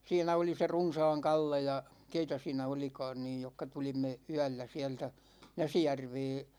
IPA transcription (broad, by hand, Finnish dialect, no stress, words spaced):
siːnæ oli se runsɑːŋ kɑlːe jɑ keitæ siːnæ olikɑ̝ːn niːj jokːɑ tulimːe yæ̝lːæ siɛltæ næsijærʋeː